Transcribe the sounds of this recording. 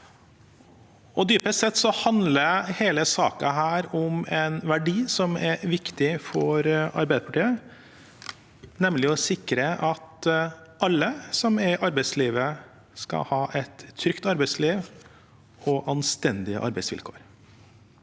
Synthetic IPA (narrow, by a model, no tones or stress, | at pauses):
ɔd̪yːpəst̪sɛt̪ːsɔhɑnd̪ləɾheːləsɑːkɑ̰ɦæːɾɔmɛnʋæɖiːsɔmɛʋɪkt̪ɪfɔɾɑ̰ɾbæɪd̪əpʰɑʈiːə | nɛmlɪɔsɪkɾəʔɑt̪ | ʔɑlːəsɔmɛɾʔɑɾbɛɪsliːʋə | skɑ̰hɑːʔɛt̪ʰːɾʏkt̪ɑɾbæɪsliːʋ | ɔʔɑnst̪ɛnd̪ɪə̰ʔɑ̰ɾbæɪsʋɪ̰lkʰo̰ːɾ